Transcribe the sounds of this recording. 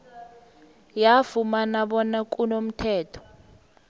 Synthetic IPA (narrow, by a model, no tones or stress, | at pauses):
jafumanaɓɔnak̬ʼunom̩tʰɛːtʰɔ̥